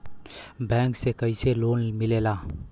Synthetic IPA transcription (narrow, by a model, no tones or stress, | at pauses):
baŋksekajselonmilela